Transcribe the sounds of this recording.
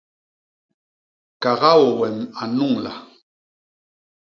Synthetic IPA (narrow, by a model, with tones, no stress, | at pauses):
ka˨ɣa˦wɔ˨wɛ˨ma˨nu˦˨ŋla̰˨